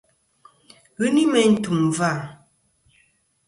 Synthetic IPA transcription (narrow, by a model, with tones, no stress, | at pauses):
ɣɯ˦ni˦mɛ˨n̩˦tu˨mva˦˨